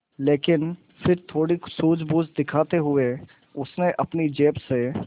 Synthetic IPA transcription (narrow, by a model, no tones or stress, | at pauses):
leːkɪn | fɪɾt̪ʰoːɽisuːd͡ʒbuːzd̪ɪkʰaːt̪eɦʊe | ʊsneʔɐpnid͡ʒeːpse